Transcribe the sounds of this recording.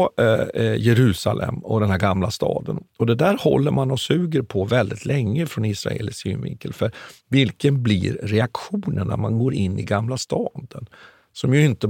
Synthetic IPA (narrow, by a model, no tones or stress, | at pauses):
jɛɾʉ̟ːsalʔɛ̰mːɔd̪ɛnhæɾɡamlast̪ɑ̰ːd̪ənɔd̪ɛd̪æɾhɔ̰lːəɾmanɔsʉ̟ːɡəɾpʰɔvɛld̪ɪt̪ʰlɛŋːəfɾɔnɪsɾa̰ḛːlɪsyːmvɪ̰ŋkəlfœɾvɪlkənblɪ̰ɾɾɛakɧuːnəɳæ̰ɾmanɡoːɾɪnːɪɡamlast̪ɑːd̪ən | sɔmjɵɪnt̪ə